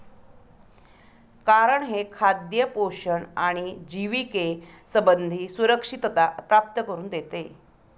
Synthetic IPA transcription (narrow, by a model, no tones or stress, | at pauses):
kaɾəɳɦekʰad̪jəpoɕəɳaɽ̃id͡ʑiʋikesəbənd̪ʱiːsuɾəkʂit̪t̪apɾap̚t̪əkəɾuːnd̪et̪e